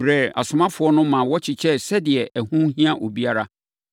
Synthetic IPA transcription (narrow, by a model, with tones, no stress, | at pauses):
ɾɛ˦˨a̰˨sʊ˨mã˦fʊ˨˦ɔ˦nʊ̃˦mã˨wɔ˦t͡ɕʰɪ˨t͡ɕʰɛ˦sɛ˦dɪ˨ɛ˨ʔæ˨hũ˦ɦĩ˦ã˦ʔo˨bi˦a˦ɾa˦